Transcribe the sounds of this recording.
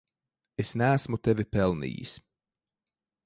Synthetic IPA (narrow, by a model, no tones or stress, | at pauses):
esnæːsmut̪ɛvɪpɛlˠnḭːḭs